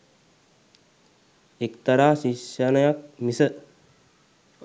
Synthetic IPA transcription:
ekt̪ɐɾaːsiʃjanɐjak̚misə

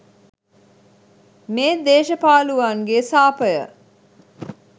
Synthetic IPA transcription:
meːd̪eːʃɐpaːluʋaːŋɡesaːpəjə̰

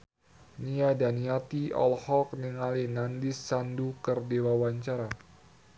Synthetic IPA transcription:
niadanijat̪iɔ̰lhɔk̚niŋalinandɪsːandukərdewawaɲt͡ʃaɾa

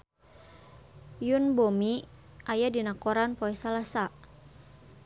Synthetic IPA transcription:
junbɔmi | ʔajadinakɔɾanpɔɛsalasa

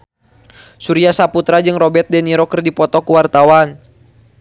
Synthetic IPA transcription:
suɾiasaput̪ɾad͡ʒɨŋrɔbɛt̪̚dɛniɾɔkərdipɔt̪ɔkuwart̪awan

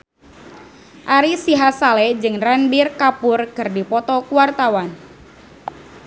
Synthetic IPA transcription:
ʔaɾisiɦasalɛd͡ʒɨŋranbirkapʊrkɨrdipɔt̪ɔkuwart̪awan

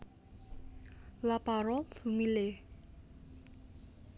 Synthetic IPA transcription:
lapaɾɔlθumile

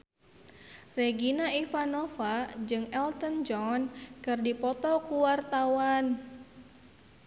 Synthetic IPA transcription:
reɡinaifanofad͡ʒɨŋɛlt̪ənd͡ʒɔnkɨrdipɔt̪ɔkuwart̪awan

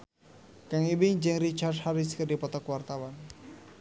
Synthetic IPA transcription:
kaŋibɪŋd͡ʒɛŋɾit͡ʃarthaɾiskərdipɔt̪ɔkwart̪awan

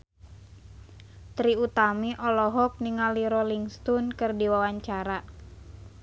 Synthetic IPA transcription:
t̪ɾiut̪amiʔɔlɔɦɔk̚niŋaliɾɔliŋst̪unkɨrdiwawaɲt͡ʃaɾa

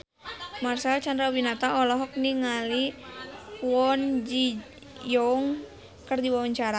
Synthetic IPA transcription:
marsalt͡ʃand̪ɾawinat̪aɔlɔɦɔk̚niŋali | uwɔnd͡ʒi | jɔŋ | kərdiwawaɲt͡ʃaɾa

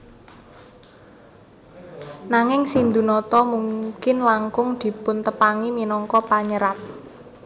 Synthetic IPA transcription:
naŋɪŋsind̪unɔt̪ɔmuŋkɪnlaŋkʊŋd̪̥i̤pʊnt̪əpaŋiminɔŋkɔpaɲəɾat̪̚

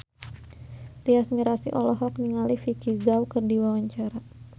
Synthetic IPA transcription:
diasmiɾasḭʔɔlɔɦɔk̚niŋalifikizawkɨrdiwawaɲt͡ʃaɾa

